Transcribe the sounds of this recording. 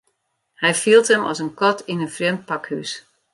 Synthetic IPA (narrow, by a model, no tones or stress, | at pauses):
hɛjfilˠtəmɔ̰sənkɔtinənfrjɛmt̚pakhys